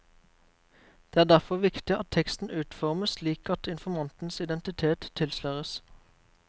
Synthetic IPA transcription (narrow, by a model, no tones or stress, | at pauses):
d̪̥eːæːd̪æʁfɔʋɪkt̪ɪɑt̪t̪ʰɛkst̪n̩ʔʉːt̪fɔʁməsliːkɑt̪ʰɪnfɔmɑnt̪n̩sɪd̪ɛnt̪ɪt̪ʰeːt̪t̪ʰːɪlsløʁəs